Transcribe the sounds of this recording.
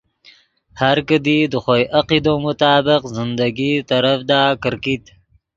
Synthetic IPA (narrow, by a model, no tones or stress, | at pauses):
haɾkəd̪id̪əxojʔaqid̪omʊt̪ɑːbɪqzɪnd̪aɡit̪aɾafd̪ɑːkəɾkit̪